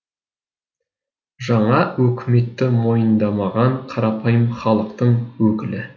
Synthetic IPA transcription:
ʒɑɴɑwɵkʲɪme̞t̪ːɪmo̞jənd̪ɑmɑʁɑɴqʰɑɾɑpʰɑjəmχɑlˠəq̚t̪əɴwɵkʲɪlɪ

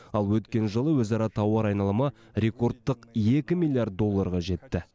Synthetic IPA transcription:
ɑlˠwɵt̪kʲe̞nʒəlˠəwɵzɑɾɑt̪ʰɑwɑɾɑjnɑlˠəmɑ | ɾʲe̞ko̞rt̪ːəqje̞kʲɪmilʲˠijaɾt̪̚d̪o̞lˠːɑɾʁɑʒe̞t̪ːɪ

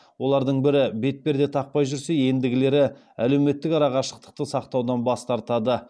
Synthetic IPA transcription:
wo̞lˠɑɾd̪əɴbɪɾɪbe̞t̪̚pe̞ɾd̪e̞t̪ʰɑq̚pɑjʒʏɾse̞je̞nd̪ɪɡʲɪle̞ɾɪ | æle̞wme̞t̪ːɪkɑɾɑʁɑʃəq̚t̪ə̥q̚t̪əsɑqt̪ɑwd̪ɑnbɑst̪ɑɾt̪ɑd̪ə

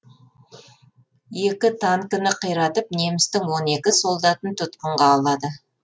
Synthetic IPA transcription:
je̞kʲɪt̪ʰɑŋkʲʏnɪqʰəjɾɑt̪əp̚ne̞mɪst̪ɪŋwo̞ne̞kʲɪsolˠd̪ɑt̪ənt̪ʰʊt̪qəɴʁɑːlˠɑd̪ə

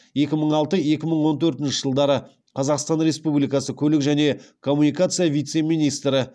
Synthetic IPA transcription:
je̞kʲɪməɴɑlˠt̪əje̞kʲɪməɴwo̞nt̪ʰɵɾt̪ɪnʃɪʒəlˠd̪ɑɾə | qʰɑzɑqst̪ɑnɾe̞spublijkɑsəkʲʰɵlɪkʒæne̞kʰo̞mːunijkat̪sɨjavijt̪se̞mijnijst̪ɾɪ

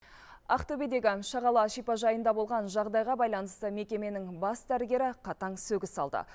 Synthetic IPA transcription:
ɑqt̪ɵbed̪e̞ɡʲɪŋʃɑʁɑlˠɑʃijpɑʒɑjənd̪ɑbo̞lˠʁɑnʒɑʁd̪ɑjʁɑbɑjlˠɑnəst̪əme̞kʲe̞me̞nɪŋbɑsd̪æɾɡʲe̞ɾɪqʰɑt̪ɑɴsɵɡʲɪsɑlˠd̪ə̰

